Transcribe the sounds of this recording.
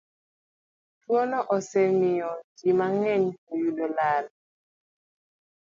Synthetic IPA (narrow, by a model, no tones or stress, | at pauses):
twɔnɔʔɔsɛmiɔd͡ʒimaŋɛɲojudɔlal